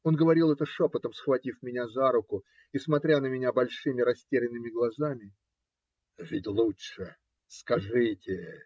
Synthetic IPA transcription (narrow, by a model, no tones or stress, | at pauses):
o̞nɡəvɐɾʲilˠɛt̪əʂopət̪əmsxvɐtʲifmʲɪnʲazaɾʊkʊ | ismɐt̪ɾʲanəmʲɪnʲabɐlʲʂɨmʲɪɾɐsʲtʲeɾʲɪnːɨmʲɪɡlˠɐzamʲɪ | ʐɨtʲlˠuʂɨ | skɐʐɨtʲɪ